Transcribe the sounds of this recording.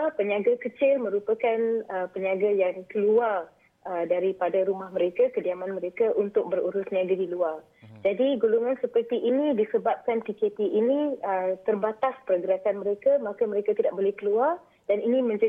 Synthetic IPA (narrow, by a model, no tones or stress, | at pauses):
apəɲaɡakət͡ʃɪlmə̃ɾupakanəpəɲaɡajaŋkəluar | ədaɾipadaɾumahmə̃ɾekakədiamanmə̃ɾekaʔunt̪ʊk̚bəruɾʊsɲiaɡadiluar | d͡ʒadiɡuluŋãnsəpərt̪iʔinĩdisəbap̚kant̪iket̪iʔinĩət̪ərbat̪aspəɾəɡəɾakanməɾekamãkaməɾekat̪idaʔ̚bolɛhkəluar | d̥aninimə̃ɲd͡ʒa